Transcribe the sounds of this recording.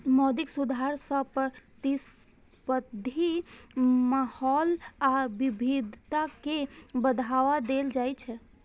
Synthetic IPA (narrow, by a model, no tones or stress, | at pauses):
mɔd̪iksud̪ʱaɾsə̃pɾət̪is | pəd̪ʱi | mahɔlabibʱid̪ʱt̪akebəd̪ʱaʋad̪eld͡ʒajt͡ʃʰɛ